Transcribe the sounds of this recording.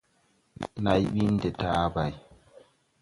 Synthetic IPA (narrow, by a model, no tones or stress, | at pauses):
najɓindɛtaːbaj